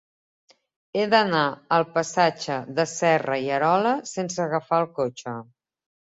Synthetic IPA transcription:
eðənaəlˠpəsad͡ʒəðəsɛrəiəɾɔləsens̬əːɣəfaəlˠkot͡ʃə

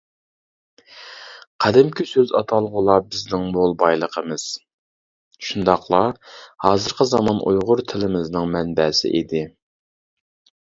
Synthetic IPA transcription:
qʰæd̪ɪmkʲʰysøzɑ̰t̪ʰɑlˠʁʊlˠɑbɪznɪŋmolˠbɑjlˠəqʰəmɨz̥ | ʃund̪ɑχlˠɑhɑːzɨɾqʰəzɑmɑnʔujʁʊɾt̪ʰɪlɪmɪznɨŋmɛnbɛsɪ̰ʔed̪ɪ

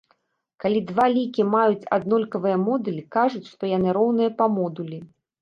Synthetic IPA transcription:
kalʲid̪valʲikʲimajut͡sʲa̰d̪̚nɔlʲkɐvɨjɐmɔd̪ulʲikaʐut͡sʲʂt̪ɔjanɨɾɔwnɨjɐpɐmɔd̪ulʲi

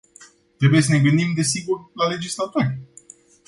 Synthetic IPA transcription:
t̪ɾe̞buje̞s̬əne̞ɡɨnd̪imd̪e̞siɡurlale̞d͡ʒislat̪orʲ

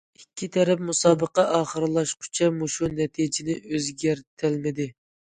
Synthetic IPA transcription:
ikʲʰːit̪ʰɛɾɛpmusɑːbəqɑʔɑːχəɾɨlˠɑʃqʰʊ̥t͡ʃʰɛmoʃunɛt̪ʰid͡ʒɪnɪʔøzɡʲæɾt̪ʰɪlmɪd̪ɪ

